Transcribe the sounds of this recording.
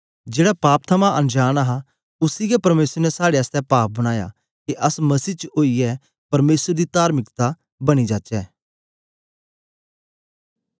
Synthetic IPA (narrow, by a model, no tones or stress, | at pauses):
d͡ʒeːɽapaːp̚t̪ʰəmaʔɐnd͡ʒaːɽ̃aɦa | ʊsiɡɛpɐɾmeːsəɾnɛsaːɽeəst̪ɛpaːp̚bɐɽ̃aːja̰ | kiʔɐsmɐsiːt͡ʃoːiɛ | pɐɾmeːsəɾd̪it̪aːɾmɪkt̪a | bɐɽ̃id͡ʒaːt͡ʃɛː